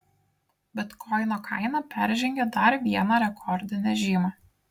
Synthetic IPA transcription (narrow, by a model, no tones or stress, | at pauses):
bʲɛt̪kʰɔɪnoːkʰɑɪnɐpʲæɾʲʒʲɛŋʲɡʲed̪ɐɾʋʲiɛnɑːɾʲɛkʰɔɾʲd̪ʲɪnʲɛʒʲiːmɑː